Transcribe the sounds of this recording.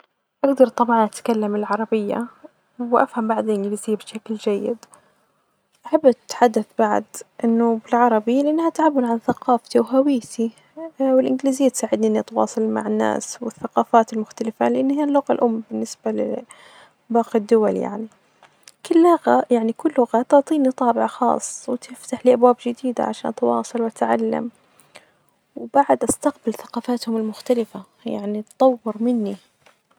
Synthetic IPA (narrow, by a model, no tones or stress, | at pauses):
ʔaɡd̪ɑɾˤt̪ˤɑbʕɑnʔat̪kalːamɪlʕɑɾˤɑbɪjːa̰ | wʔa̰fhambaʕd̪ɪlʔɪnɡliːzɪjːabɪʃakld͡ʒajːɪ̰d̪ | ʔaħabːt̪ːħad̪ːaθbaʕ̰d̪ʔɪnːʊbɪlʕɑɾˤɑbilɪʔanːhat̪ʕabːaɾˤʕanθaqɑːft̪iwɦawiːt̪ʰi | wɪlʔɪnɡliːzɪjːat̪saːʕɪd̪niʔɪnːiʔɑt̪wɑ̰ːsˤɑlma̰ʕɪnːa̰ːswɪθːaqɑːfaːt̪ɪlmʊxt̪alɪfa̰lɪʔanːhijːalːʊɣalʔʊmːbɪnːɪsbalɪ̰ | bɑːqid̪ːʊwalja̰ʕni | kɪlːʊɣajaʕnikʊlːʊɣat̪ʊʕt̪ˤiːnit̪ˤɑːbɪʕaxɑ̰ːsˤwt̪ɪft̪aħliːʔabwaːbd͡ʒɪd̪iːd̪a̰ʕaʃa̰ːnt̪wɑ̰ːsˤɑlwat̪ʕalːa̰m | wbaʕad̪ʔast̪aqbɪlθaqɑːfaːt̪hʊmɪlmʊxt̪alɪfa | ja̰ʕnit̪t̪ˤːɑwːɪɾmɪnːi